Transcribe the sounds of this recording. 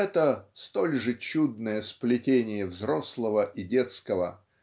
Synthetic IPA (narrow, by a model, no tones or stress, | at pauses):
ɛt̪əst̪o̞lʲʐɨt͡ɕud̪̚nəjəsplʲɪtʲenʲɪjəvzɾoslˠəvəʔɪdʲe̞t̪skəvə